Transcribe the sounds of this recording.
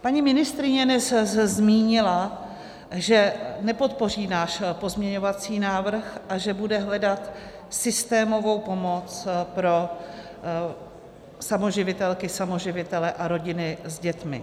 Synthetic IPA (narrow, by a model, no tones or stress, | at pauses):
paɲimɪnɪst̪ɾɪɲɛnɛszzmiːɲɪla | ʒɛnɛpo̞t̪̚po̞r̝iːnaːʃpo̞zmɲɛɲo̞vat͡siːnaːvr̩xʔaʒɛbudɛɦlɛdat̪ | sɪst̪ɛːmo̞vo̞wpo̞mo̞t͡spɾo̞ | samo̞ʒɪvɪt̪ɛlkɪsamo̞ʒɪvɪt̪ɛlɛʔaɾo̞ɟɪnɪzɟɛt̪mɪ̰